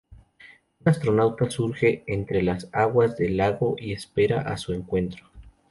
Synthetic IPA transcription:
unast̪ɾo̞nawt̪asuɾxe̞ent̪ɾe̞lasaɣwazðe̞laɣo̞ʔiespe̞ɾaʔasue̞ŋkwe̞nt̪ɾo

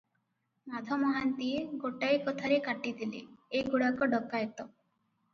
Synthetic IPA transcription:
mad̪ʱɔmɔɦant̪ieɡoʈajkɔt̪ʰaɾekaʈid̪ʰilḛejɡuɽakɔɖɔkːaet̪ɔ

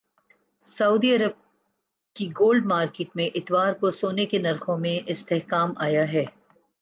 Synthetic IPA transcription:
sɐuːd̪iɐɾəb̚ | kiɡoːlɖmaːɾkeːʈmẽʔɪt̪waːɾkosoːnekenɐɾxõmẽʔɪst̪ɛɦkaːmaːjaɦɛː

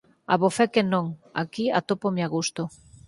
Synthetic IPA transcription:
a̰βofɛkenõŋa̰kia̰t̪opomeaɣust̪o

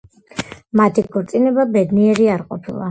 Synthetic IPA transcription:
mat̪ʰikʰɔɾt̪sʼinɛbabɛd̪niɛɾiaɾqʼɔpʰilˠa̰

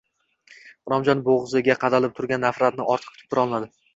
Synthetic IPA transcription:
χʊɾɒmd͡ʒɒnboʁzɪɡʲaqʰɑd̪alɪp̚t̪ʰʊɾɡʲanːafɾat̪̚nɪʔɒɾt̪ʰɨ̥q̚t̪ʰʊ̥pʰːɪɾɒlˠnad̪ɪ

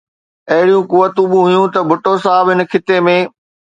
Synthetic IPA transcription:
ɐɦɪɽijũkʊʋːət̪ũɓʊ̃ɦʊjũt̪ɐbʱʊʈos̬aːbɦɪnəkʰɪt̪emẽː

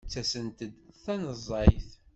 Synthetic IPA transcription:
t͡sːæsənt̪əd̪θænəzˤːɑjθ

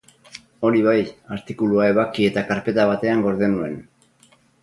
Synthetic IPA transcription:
o̞ɾiβajaɾt̪ikuluae̞β̞akie̞t̪akaɾpe̞t̪aβ̞at̪e̞aŋɡo̞ɾðenue̞n

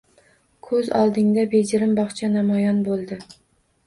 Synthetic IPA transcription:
kʰɵzɒlˠd̪ɪŋd̪abed͡ʒɪɾɪmbɒχt͡ʃʰanamɒjɒnbolˠd̪ɪ

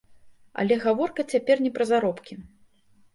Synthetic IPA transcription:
ɐ̰lʲɛɣavɔrkɐt͡sʲapʲɛrnʲɛpɾɐzaɾɔpkʲi

